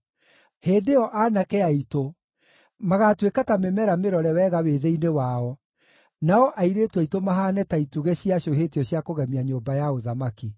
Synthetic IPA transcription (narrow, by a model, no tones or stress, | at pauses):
heːndeɔʔaːnakɛaito | maɣatwekatamemɛɾameɾɔɾɛwɛɣaweðeinewaɔ | naɔʔaiɾetwɛitomaɦaːnɛtaituɣeɕiaɕoɦetiɔɕiakoɣɛmiaɲoːmbajaoðamaki